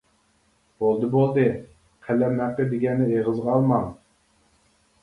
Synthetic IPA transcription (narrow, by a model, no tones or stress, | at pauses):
b̥olˠd̪ɨbolˠd̪ɨ | qʰælːɛnæqːəd̪ɪɡʲɛnːɪeʁəzʁɑlˠmɑŋ